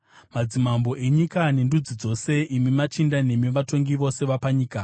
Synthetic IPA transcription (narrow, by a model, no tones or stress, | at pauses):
mad͡zimambo̞ʔe̞ɲikane̞ndud͡zid͡zo̞se̞ʔimimat͡ʃindane̞miʋato̞ŋɡiʋo̞se̞ʋapaɲiːka